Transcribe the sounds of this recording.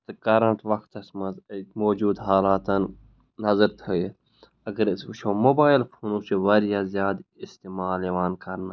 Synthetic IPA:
t̪ɐkɐɾɐɳʈʰʋɐkt̪ɐsmɐmoːd͡ʒuːd̪ɦaːlaːt̪ɐn | nɐzəɾt̪ʰəje | ɐɡəɾʃomoːbaːɪlpʰoːnusiʋɐɾjaːzjaːd̪ɪst̪eːmaːleːʋaːnkɐɾna

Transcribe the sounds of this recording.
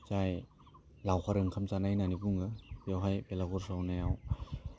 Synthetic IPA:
t͡ʃaj | lawkʰaɾɯŋkʰamt͡ʃanajnanibuŋɯbewɦajpelaɡuɾsawnajaw

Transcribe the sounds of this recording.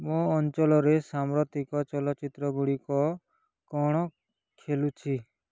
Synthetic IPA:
mõːnt͡ʃɔlɔɾesamɾɔt̪ikɔt͡ʃɔlɔt͡ʃit̪ɾɔɡuɽikɔ | kɔɽ̃ɔ | kʰelut͡ʃʰi

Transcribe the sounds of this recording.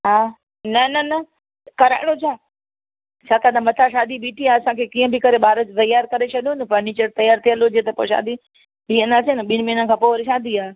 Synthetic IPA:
ɦaː | nɐnɐnɐ | kɐɾa̰ːɪɽ̃ot͡ɕʰaː | t͡ɕʰaːk̪ad̪amɐt̪ʰaʃaːd̪ʱibiːʈiaːɐsãkʰeːkĩːə̃bɪkɐɾeɓaːɾət̪ɐjaːɾkɐɾet͡ʃʰɐɗijonpɐɾniːt͡ɕəɾt̪ɐjaːɾt̪ʰiə̃lod͡ʑiːt̪ɐpoʃa̰ːd̪ʱi | biə̃nd̪aːsenɐɓiñmiːnəkʰãːpoːɾʃaːd̪ʱiaː

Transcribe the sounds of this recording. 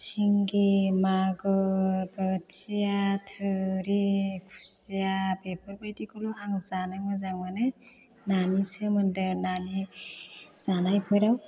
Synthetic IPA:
siŋɡemaɡɔbəsijatʰɯɾekʰu̥sijapepʰɔɾbajtikɔluɦaŋzanaŋmɯzaŋmanɯ | nanisɯmɯndɯɾnani | z̥anajpʰɔjɾaw

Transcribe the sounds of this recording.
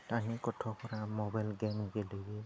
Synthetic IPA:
tanikɔtʰɔkɔɾamɔbajlɡɛmiɡɛloɡi

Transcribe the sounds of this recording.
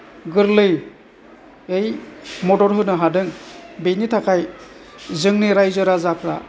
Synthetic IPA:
ɡɯɾlɯj | ejmɔdɔɾɦɯnɯɦadɯŋbejnitʰakʰaj | zɯŋniɾajzɯɾazakʰɾa

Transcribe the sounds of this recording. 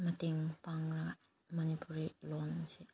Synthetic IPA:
matiŋpaŋɾa | manipuɾilonsi

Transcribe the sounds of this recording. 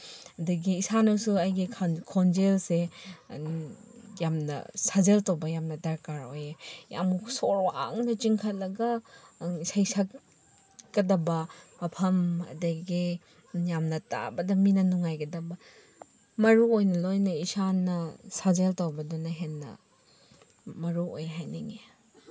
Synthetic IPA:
ɐdɐɡiːsanɐsuajɡikʰonzelse | jamnɐ̰sazeltowbɐjamnɐdaɾkaɾo̰jeja̰mukʰsoɾwa̰ŋnɐt͡ʃiŋkʰɐt̚lɐɡɐ | isajsak | ɡɐdɐbɐmɐpʰɐmɐ̰dɐɡi | jamnɐta̰bɐdɐminɐnuŋajɡɐdɐbɐ | mɐɾuojnɐlojnɐisanɐsazeltawbɐdunɐɦenːɐ̰ | mɐɾuo̰jɦajniŋe

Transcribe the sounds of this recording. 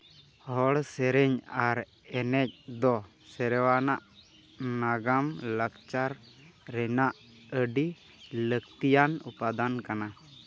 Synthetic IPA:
hɔɽsɛɾɛɲaɾ | ɛnɛc̚d̪ɔ | sɛɾɛwanaʔ | naɡamləkt͡ʃaɾː | ɛnaʔ | əɖi | ləkt̪ijanupad̪ankana

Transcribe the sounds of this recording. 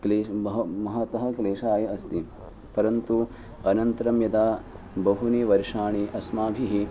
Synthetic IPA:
kleːbɐɦɐmɐɦɐt̪ɐɦɐ̆kleːʂaːjɐɐst̪i | pɐɾɐnt̪u | ɐnɐnt̪ɐɾɐmjɐd̪aː | bɐɦuniːʋɐɾʂaːɳiʔɐsmaːbʱiɦi

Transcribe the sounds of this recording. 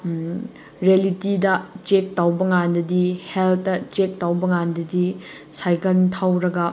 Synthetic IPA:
ɾelitidɐt͡ʃek̚tawbɐŋandɐdiheltːɐt͡ʃek̚tawbɐŋandɐdi | sajkɐntʰawɾɐɡɐ

